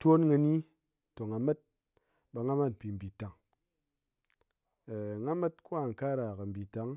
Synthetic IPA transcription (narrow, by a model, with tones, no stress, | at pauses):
to˦nŋɨ˧ni˦ | to˨ŋa˨me˦t̚ | ɓa˧ŋa˦ma˦tpi˨m̩˨bi˨ta˨ŋ˨ | ŋa˦ma˦t̚ku˦a˦˨ŋ̩˨ka˦ɾa˨kə˨m̩˨bi˨ta˨˦ŋ